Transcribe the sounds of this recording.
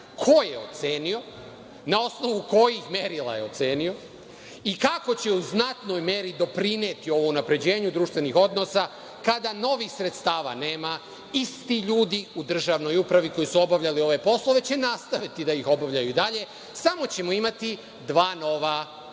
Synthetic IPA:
kʰo̞jeot̪se̞ːnio̞ | nao̞sno̞ʋuko̞jixme̞ɾilˠa̰jeo̞t̪se̞ːnio̞ | ikako̞t͡ɕe̞uznat̪no̞jme̞ɾid̪o̞pɾine̞ːt̪io̞ʋounapɾe̞d͡ʑe̞ːɲud̪ɾuːʃt̪ʋe̞nixo̞d̪no̞sa | kad̪ano̞ʋixsɾe̞t̪st̪aːʋa̰neːma | ist̪iʎuːd̪iud̪r̩ʒaʋno̞jupɾaʋiko̞jisuo̞baʋʎalio̞ʋe̞po̞slˠoʋe̞t͡ɕe̞nast̪aʋit̪id̪ajixo̞baʋʎajuid̪aʎe̞ | samo̞t͡ɕe̞moimat̪i | d̪ʋaːno̞ʋa

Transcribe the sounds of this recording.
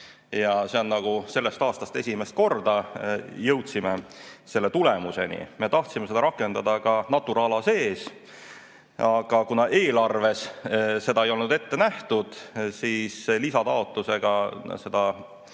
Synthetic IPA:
jɑse̞o̞nnɑɡ̥use̞lːest̪ɑːst̪ɑst̪e̞sʲimest̪̚ko̞rd̪ɑjɤwt̪simese̞lːe̞t̪ule̞muse̞̰nḭme̞t̪ɑht̪sime̞se̞d̪ɑɾɑkːˑe̞nd̪ɑd̪ɑkɑnɑt̪ːˑuɾɑlɑse̞ːs | ɑɡ̥ɑkunɑʔeːlɑrve̞sse̞d̪ɑejo̞lnud̪e̞t̪ːe̞næht̪ud̪̥siːslisɑt̪ɑo̞t̪ːˑuse̞ɡ̥ɑse̞d̪̥ɑ

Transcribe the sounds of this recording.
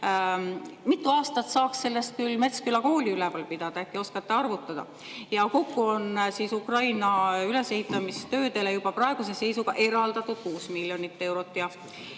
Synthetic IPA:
mit̪ˑːuɑːst̪ɑt̪sɑːksse̞lːe̞st̪̚kylːme̞t̪skylːɑko̞ːlʲiylevɑlpid̪̥ɑd̪ɑekːio̞skɑt̪ːeɑrvut̪ːˑɑd̪̥ɑ̰ | jɑko̞kːuo̞nsisukrɑjnɑyle̞se̞ɦit̪ːˑɑmist̪ø̞ːd̪e̞lejub̥ɑpɾrɑe̞ɡ̥use̞se̞jsuɡ̥ɑʔe̞ɾɑld̪̥ɑt̪ːˑud̪̥̚kuːsmilʲjo̞nit̪ːe̞wɾot̪ːˑjɑ

